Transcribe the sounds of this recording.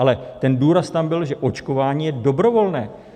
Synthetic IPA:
ʔalɛt̪ɛnduːɾast̪ambɪlʒɛʔo̞t͡ʃko̞vaːɲiːjɛdo̞bɾo̞vo̞lnɛː

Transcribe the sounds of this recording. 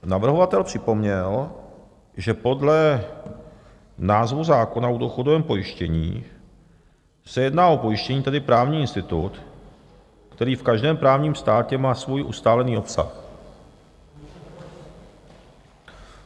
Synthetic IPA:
navr̩ɦo̞vat̪ɛlpr̝̥ɪpo̞mɲɛl | ʒɛpo̞dlɛ | naːzvuzaːkonaudoxodovɛːmpo̞jɪʃcɛɲḭː | sɛjɛdnaːo̞po̞jɪʃcɛɲiːt̪ɛdɪpɾaːvɲiːɪnst̪ɪt̪ut̪ | kt̪ɛɾiːfkaʒdɛːmpɾaːvɲiːmst̪aːcɛmaːsvujʔust̪aːlɛniːo̞psa̰x

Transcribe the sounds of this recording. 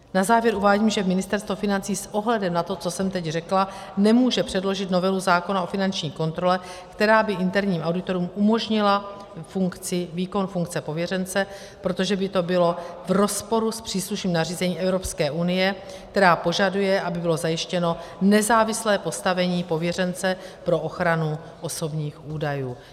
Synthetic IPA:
nazaːvjɛɾʔuvaːɟiːmʒɛmɪnɪst̪ɛɾst̪vofɪnant͡siːsʔo̞ɦlɛdɛmnat̪o̞t͡so̞sɛmt̪ɛcrɛkla | nɛmuːʒɛpr̝̥ɛdlo̞ʒɪt̪no̞vɛluzaːko̞nao̞fɪnant͡ʃɲiːko̞nt̪ɾo̞lɛkt̪ɛɾaːbɪʔɪnt̪ɛɾɲiːmʔawdɪt̪o̞ɾuːmumo̞ʒɲɪla | fuŋkt͡sɪviːko̞nfuŋk̚t͡sɛpo̞vjɛrɛnt͡sɛ | pɾo̞t̪oʒɛbɪt̪o̞bɪlo̞vɾo̞spo̞ɾuspr̝̥iːsluʃniːmnariːzɛɲiːmʔɛvɾo̞pskɛːʔunɪjɛ | k̚t̪ɛɾaːpo̞ʒadujɛʔabɪbɪlo̞zajɪʃcɛno̞nɛzaːvɪslɛːpo̞st̪avɛɲiːpo̞vjɛrɛnt͡sɛpɾo̞ʔoxɾanu | ʔo̞so̞bɲiːxʔuːdajuː

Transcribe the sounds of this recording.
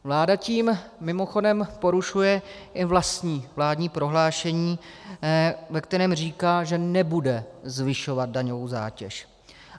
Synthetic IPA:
vlaːdaciːmːɪmo̞xo̞dɛmpo̞ɾuʃujɛʔɪvlast̪ɲiːvlaːdɲiːpɾo̞ɦlaːʃɛɲiː | vɛkt̪ɛɾɛːmr̝iːkaːʒɛnɛbudɛzvɪʃo̞vat̪̚daɲovowza̰ːcɛ̰ʃ

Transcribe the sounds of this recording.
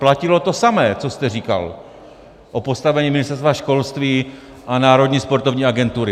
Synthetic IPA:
placɪlo̞t̪o̞samɛːt͡sost̪ɛriːka̰l | ʔo̞po̞st̪avɛɲiːmɪnɪst̪ɛɾst̪vaʃko̞lst̪viː | ʔanaːɾo̞d̪ɲiːspo̞ɾt̪ovɲiːaɡɛnt̪uɾɪ

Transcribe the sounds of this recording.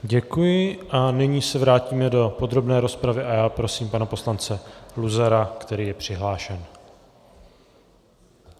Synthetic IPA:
ɟɛkujɪʔanɪɲiːsɛvɾaːciːmɛdo̞po̞d̪ɾo̞bnɛːɾo̞spɾavɪʔajaːpɾo̞siːmpanapo̞slant͡sɛluzaɾakt̪ɛɾiːjɛpr̥ɪɦlaːʃɛn

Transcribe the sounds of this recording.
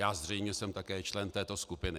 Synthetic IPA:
jaːzr̝ɛjmɲɛsɛmt̪akɛːt͡ʃlɛnt̪ɛːt̪o̞skupɪnɪ

